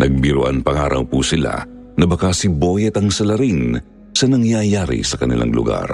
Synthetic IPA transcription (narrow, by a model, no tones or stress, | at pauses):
nʔɐɡ̚bɪɾoʔanpɐŋaːɾʔɐ̰wpusɪla̰ | nɐbɐkasɪbojɛt̪ɐŋsɐlɐɾin | sɐnɐŋjajaːɾḭsɐkɐnɪ̰la̰ŋlʊ̰ɡa̰ɾ